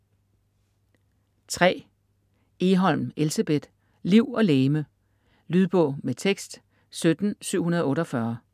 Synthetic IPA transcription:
t͡sʰʁɛ̰ː | e̝ɦɒ̽l̰m̩elsæb̥ed̥ | liʊ̰ɒ̽leːmə | lyð̞ˠb̥ɔ̽ʊ̰met͡sʰeɡ̥sd̥ | sød̥n̩syʊ̰unɐð̞ˠɔ̽ːɾɒfɶɐ

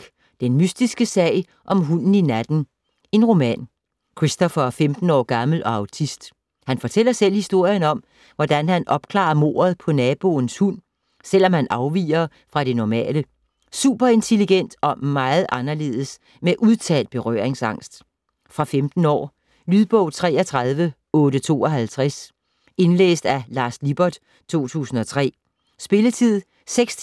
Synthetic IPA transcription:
ɡ̥ | d̥enmysd̥isɡ̥əsɛ̰ɪ | ʔɒ̽mɦunn̩inæd̥n̩ | e̝nʁo̝mɛ̰ːn | kʰʁisd̥ɒfɐfemd̥n̩ɒ̰ːɡ̥ɑ̈ml̩ʔɒ̽ɑ̈ʊt͡sʰisd̥ | hænfɒ̽t͡sʰel̰ɐsel̰hisd̥o̝ɐ̰jənɒ̽m | ʋɒd̥ænhænʔɒ̽b̥̚kʰlɑ̰̈ːɐmo̝̰ːɐð̞̩ˠpʰɒ̽nɛːb̥o̝̰ːn̩shun̰ | sel̰ɒ̽mhænʔɑ̈ʊʋḭːɐ | fʁɑ̈ɾ̥e̝nɒmɛ̰ːlə | sṵːb̥ɐe̝nt͡sʰe̝liɡ̥en̰d̥ɒ̽mɑ̈ːɪð̞̩ˠʔɑ̈nɐle̝̰ːð̞ˠəs | meʔuð̞ˠt͡sʰɛ̰ːld̥̚b̥e̝ʁœ̰ːɐ̰eŋsɑ̈ŋ̰sd̥ | fʁɑ̈femd̥n̩ɒ̰ː | lyðˠb̥ɔʊ̰t͡sʰʁɛ̰ːɐt͡sʰʁɑð̞ˠʋə | ɔ̽ːɾət͡sʰo̝̰ːɒ̽ɦælt͡sʰʁæs | e̝nlḛːsd̥ælɑ̈ːslib̥ɒɐd̥ | t͡sʰo̝̰ːt͡sʰṵːsn̩ɒ̽t͡sʰʁɛ̰ː | sb̥e̝lət͡sʰið̰ˠ | seɡ̥s

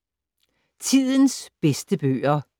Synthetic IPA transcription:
t͡sʰið̰ˠənsb̥esd̥əb̥ø̰ːɐ

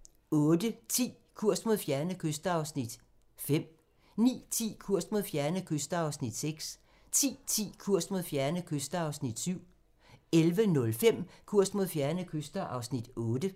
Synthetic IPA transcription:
ɔ̽ːd̥ət͡sʰḭː | kʰuɐ̰sd̥mo̝ðˠfjæɐnəkʰøsd̥ɐɑ̈ʊsnid̥ | fem̰ | nḭːt͡sʰḭːkʰuɐ̰sd̥̚mo̝ðˠfjæɐnəkʰøsd̥ɐɑ̈ʊsnid̥seɡ̥s | t͡sʰḭːt͡sʰḭːkʰuɐ̰sd̥mo̝ðˠfjæɐnəkʰøsd̥ɐɑ̈ʊsnid̥syʊ̰ | elʋənɔ̽lfem̰kʰuɐ̰sd̥mo̝ðˠfjæɐnəkʰøsd̥ɐʔɑ̈ʊsnid̥ɔːd̥ə

